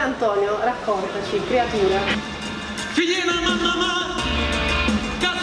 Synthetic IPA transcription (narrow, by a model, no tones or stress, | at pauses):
ant̪ɔːnjorakʰːɔnt̪at͡ʃikɾeat̪uːɾa | fiʎɛnamamama | ka